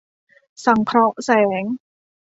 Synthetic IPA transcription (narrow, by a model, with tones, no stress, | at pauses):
sa˨˩˦ŋkʰɾɔ˦˥ʔsɛː˩˦ŋ